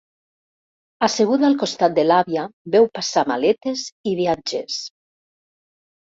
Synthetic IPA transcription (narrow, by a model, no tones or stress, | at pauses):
aseɣ̞uðalkost̪at̪̚d̪elaβjabɛwpasama̰let̪eziβiad͡ʒes